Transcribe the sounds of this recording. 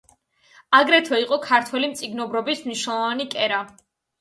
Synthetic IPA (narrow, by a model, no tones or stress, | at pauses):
aɡɾɛt̪ʰɔiqʼɔkʰaɾt̪ʰwɛlimt̪sʼiɡnɔbɾɔbismniʃnɛlˠɔvanikʼɛɾa